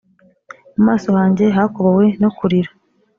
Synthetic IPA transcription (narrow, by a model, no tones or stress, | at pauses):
mumaːso̞haːɲɟe̞ɦako̞βowe̞nokuɾiɾa